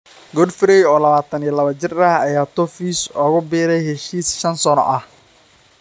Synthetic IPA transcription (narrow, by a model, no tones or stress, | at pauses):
ɡɔdfɪɾɛjɔːlɐβaːt̪ʰɐnijlɐβɐt͡ʃɪrɐhɐjaːt̪ʰɔfiːsɔːɣʊbiːɾɛjhɛʃiːsʃɐnsɔnɔ̰ʔɐh